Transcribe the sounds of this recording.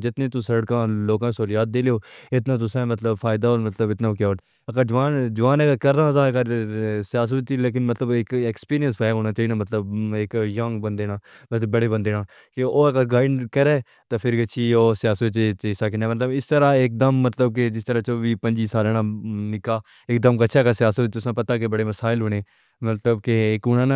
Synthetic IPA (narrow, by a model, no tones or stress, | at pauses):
d͡ʒɪt̪nẽːt̪ʊsəɾəɽkãːloːkãːsoːlɪjaːt̪̚d̪eːlejoːɪt̪nãːt̪̬ʊsãːmət̪ləbfʰaːɪd̪aːoːɾmət̪ləbɪt̪naːkjaː | əkəd͡ʒʊʋaːnd͡ʒʊʋaːnɛkkəɾːãːzaːkəɾsɪjaːs̬ət͡ʃileːk̬ɪnmət̪ləbɪkɛːkspiːɾijənsbaːɦoːnaːt͡ʃaːiːnãːmət̪ləbɪkjəŋɡbənd̪eːnaː | mət̪əbəɽeːbənd̪eːnãː | keoːkəɾɡaːɪɳkəɾɛː | t̪aːpʰɪɾɡət͡ʃʰiːoːsɪjaːsət͡ʃet͡ʃesaːk̬ɪnãːmət̪ləbɪst̪əɾãːek̚d̪əmːət̪ləb̚k̬ed͡ʒɪst̪əɾaːt͡ʃoːʋiːpə̃ɲd͡ʒiːsaːɾeːnãːnɪkaː | ɪk̚d̪əmkət͡ʃʰaːkəɾsɪjaːsət̪ʊsãːpət̪aːkebəɽeːməsaːɪlɦoːneː | mət̪ləbkekʊnãːna